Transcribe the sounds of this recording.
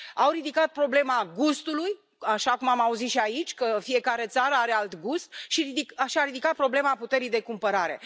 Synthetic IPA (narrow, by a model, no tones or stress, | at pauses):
awɾid̪ikat̪̚pɾo̞ble̞maɡust̪uluj | aʃakumamauzit̪ʃiait͡ʃʲkəfije̞kaɾe̞t̪saɾəaɾe̞alt̪ɡust̪̚ʃiid̪ikʃiaɾid̪ikat̪̚pɾo̞ble̞maput̪e̞ɾijd̪e̞kumpəɾaɾe̞̰